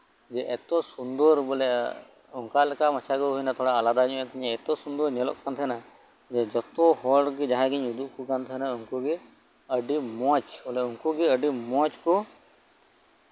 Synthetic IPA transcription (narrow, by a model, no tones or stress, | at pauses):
d͡ʒɛʔɛt̪ɔsund̪ɔɾbɔlɛ̰ | ɔŋkalɛkamat͡ʃʰaɡɔɦujnat̪ʰɔɽaːlad̪aɲɔ̃ʔat̪ʰiɲaɛt̪ɔsund̪ɔɾɲɛlɔ̰ʔkant̪ʰɛɦɛna | d͡ʒɛd͡ʒɔt̪ɔhɔɖɡɛd͡ʒaɦãɡiɲud̪uʔ̚kɔkant̪ʰɛɛnauŋkuɡɛ | əɖimɔt͡ʃɔlɛuŋkuɡɛəɖimɔ̃t͡ʃkɔ